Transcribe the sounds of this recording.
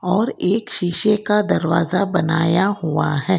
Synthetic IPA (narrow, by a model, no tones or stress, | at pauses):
ɔːɾeːkʃiʃekad̪ɐɾʋaːzabɐnaːjaɦuaɦɛː